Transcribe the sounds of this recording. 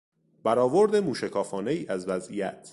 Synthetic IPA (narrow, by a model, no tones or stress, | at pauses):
b̥æɾɒːvoɾd̪emuːʃækʰɒːfɒːneiːʔæzvæzʔijæt̪ʰ